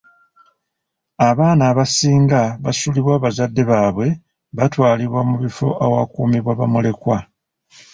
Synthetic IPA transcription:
aβaːnaːβasiːŋɡaβasuliβwaːβazadːe̞βaːβwe̞ | βatwaːliβwamuβifo̞̰ʔawakuːmiβwaβamule̞kwa

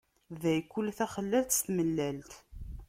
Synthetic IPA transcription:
ðæjkːʊlːθæχəlːælt̪st̪məlːælt̪

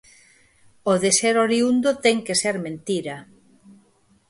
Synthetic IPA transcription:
oðeseɾoɾiund̪ot̪ɛŋkeseɾmẽnt̪iɾɐ

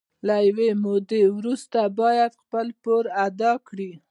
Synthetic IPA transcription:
lajwemod̪ewɾust̪abɑjad̪xpəlpoɾad̪ɑkɽi

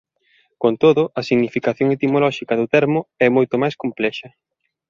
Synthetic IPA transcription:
kont̪oðʊʔɐsiɣnifikaθjoŋet̪imolɔʃikɐðʊt̪ɛɾmʊɛmojt̪ʊmajskomplɛʃɐ

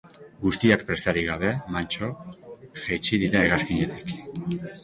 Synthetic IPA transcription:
ɡust̪iakpɾe̞saɾiɣ̞aβ̞e̞mant͡ʃo̞ʝejt͡ʃiðiɾaeɣaskiɲe̞t̪i̥k

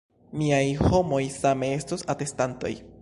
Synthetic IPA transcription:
miajho̞mo̞jsame̞e̞stosate̞stanto̞̰j

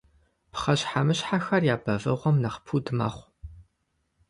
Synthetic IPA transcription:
pχɐɕħamɨɕħaxɐrjaːbɐvɨʁʷɔmnɐχpʰuːdɨmɐ̰χʷ

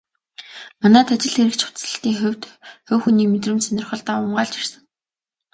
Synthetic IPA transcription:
manæːt̪ʰat͡ɕɪ̆ɮxeɾɘ̆kt͡ɕʰχʊ̥t͡s̪ə̆ɬt̪iːŋxʊwʲt̪xʊːwxuniːmet̪rɘ̆mt̪sanʲɪrχə̆ɮt̪aːʊmɢaːɮt͡ɕir̥sə̆ŋ

